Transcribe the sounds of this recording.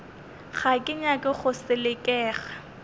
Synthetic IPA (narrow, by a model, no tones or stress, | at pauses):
χakʼɪɲakʼɪχʊsɪlɪkʼɛːχa